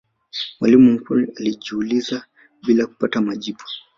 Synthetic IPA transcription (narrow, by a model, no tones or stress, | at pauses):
mwalimum̩kunialiʄuːliza | ɓilaku̥patamaʄiɓu̥